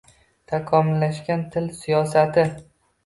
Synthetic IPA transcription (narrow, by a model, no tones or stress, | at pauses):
t̪ʰakʰɒmɪlːaʃkʲant̪ʰɪlsijɒsat̪ʰɪ